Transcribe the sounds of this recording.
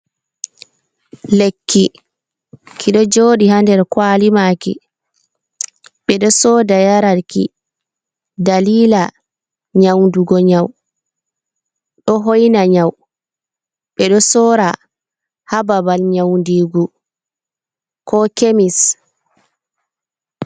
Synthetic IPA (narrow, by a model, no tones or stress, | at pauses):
lekʰːi | kʰiɗɔd͡ʒoːɗihandɛɾkwalimakḭ | ɓɛɗɔsɔːdajaɾaɾkḭ | daliːla | ɲawnduɡɔɲaw | ɗɔɦojnaɲaw | ɓɛɗɔsɔɾa | hababalɲawndiːɡu | kɔkemis